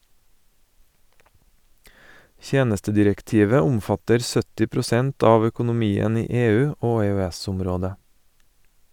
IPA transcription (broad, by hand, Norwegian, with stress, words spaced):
ˈçeːnəstədɪɾɛkˌtiːʋə ˈʊmˌfɑtəɾ ˈsœtɪ pɾʊˈsɛnt ˈɑːʋ œkʊnʊˈmiːən ˈiː ˈeːˌʉː ˈoː ɛœˈæsʊmˌɾoːdə